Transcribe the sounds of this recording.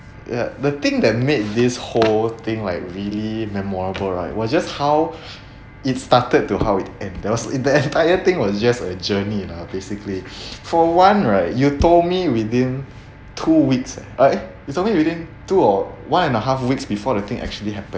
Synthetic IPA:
ja̰dət̪ɪ̃ŋdɛt̚met̚disholt̪ɪ̃ŋlaɪk̚ɹilimɛmɔɹəbəlɹa̰ɪt̚wɔsd͡ʒas̚haw | itstatəd̚tːuhaʊit̚ɛ̃ndɛwɔsdəɛ̃ntajət̪ɪ̃ŋwɔsd͡ʒasəd͡ʒəninabesiklifɔwãnɹaɪt̚jutomiwidĩn | tʰuwiksɹajutolmiwidĩn | tuɔwãnɛ̃nəɦafwiksbifɔdət̪ɪ̃ŋʔɛ̰k̚t͡ʃuəliɦɛpə̃n

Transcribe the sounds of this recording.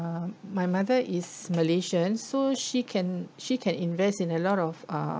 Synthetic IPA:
majmadəʔisməleʃə̃nːoʃikʰɛ̃nʃikʰɛ̃nĩnvɛstĩnəlɔtɔfa̰

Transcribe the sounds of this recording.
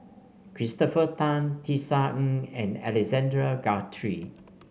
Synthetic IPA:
kʰɹistɔfətãntʰisãɛ̃nɛ̰lɛkzɛ̃ndɹəɡatʰɹi

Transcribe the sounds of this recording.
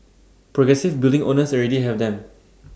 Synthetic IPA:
pɹɔɡɹɛsɪvbilˠdĩŋʔo̰nəsɔɹɛdiɦɛvdɛ̃m

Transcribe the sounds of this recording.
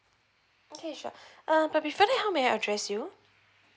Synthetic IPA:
okʰeʃɔ̰ʔab̥at̚bifɔːɾaɪhɛlˠp̚miaʔa̰dɹɛsju

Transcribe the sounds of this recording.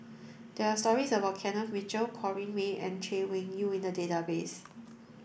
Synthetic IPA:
d̥ɛɹastɔɹisəbaʊt̚kʰɛ̃nɔfmit͡ʃəlkʰɔɹĩnweɛ̰̃nt͡ʃʰewɪ̃ŋjuĩndədetabes

